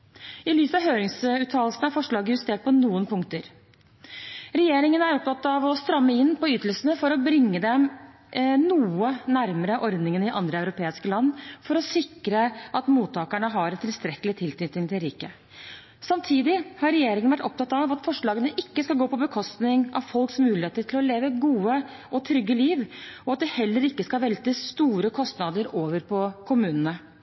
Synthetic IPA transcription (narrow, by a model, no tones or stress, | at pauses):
ɪlyːsɑʋɦøːɾɪŋsʉːt̪ʰːɑːlsn̩æɾfɔʂɭɑːɡəjʉst̪eːʈ̚pʰɔnuːənpʰʊŋkt̪əɾ | ɾɛjeːɾɪŋənæɾɔp̚t̪ɑt̪ːɑʋɔst̪ɾɑmːəɪnːpɔʏːt̪əlsənəfɔɾɔbɾɪŋːəd̪ɛm | nuːənæɾməɾəʔɔɾd̪nɪŋənɪʔɑnd̪ɾəɑʉɾʊpʰeːɪskəlɑnːfɔɾɔsɪkɾəʔɑt̪muːt̪ʰːɑːkæɳəɦɑɾɛt̪ʰːɪlst̪ɾɛkːəlɪt̪ʰɪlsʏt̪ɪŋt̪ʰɪlɾiːkə | sɑmt̪ʰiːd̪ɪhɑɾɛjeːɾɪŋənʋæʈːɔp̚t̪ɑt̪ɑʋɑt̪fɔʂɭɑːɡənəʔɪkːəskɑlɡoːpɔbəkʰɔst̪nɪŋʔɑ̰ʋfɔlksmʉːlɪheːt̪əʈʰɪlɔleːʋəɡuːə | ʔɔt̪ʰɾʏɡːəliːʋɔɑt̪̚d̪ɛhɛlːəɾɪkːəskɑʋɛlt̪əst̪uːɾəkʰɔst̪nɑd̪əɾoːʋəɾpʰɔkʰʊmʉːnənə